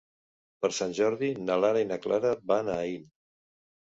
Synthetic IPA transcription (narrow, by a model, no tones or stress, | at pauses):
pəɾsanʲʒɔɾðinəlaɾainaklaɾəbanain